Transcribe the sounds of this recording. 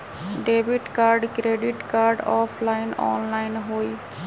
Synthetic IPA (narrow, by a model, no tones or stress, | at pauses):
ɖebiʈkaːɾɖkɾeɖiʈkaːɾɖɔːpʰlaːɪnɔ̰ːnlaɪnɦoːj